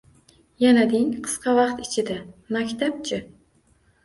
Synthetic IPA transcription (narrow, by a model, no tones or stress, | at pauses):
janad̪ɪŋqʰɨ̥sqʰɑvɑqt̪ɪt͡ʃʰɪd̪amakʲt̪ʰap̚t͡ʃʰɪ